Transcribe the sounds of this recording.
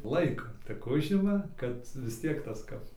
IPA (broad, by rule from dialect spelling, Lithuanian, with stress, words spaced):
ˈlˠɐɪkoː tʲɪk ˈʊʒʲɪmɐ kɐt ʋʲɪs ˈtʲiɛk ˈtɐs ˈkɐp